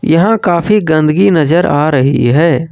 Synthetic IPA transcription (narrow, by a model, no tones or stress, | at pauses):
jɐɦãkaːpʰiɡə̃nd̪əɡinəzəɾaːɾəɦḭɦɛː